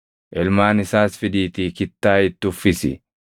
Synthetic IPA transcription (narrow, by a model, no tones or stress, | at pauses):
ʔɛlmaːnɪsaːsfɪd̪iːt̪iːkɪt̪ːaːɪt̪ːʊfːɪsɪ̰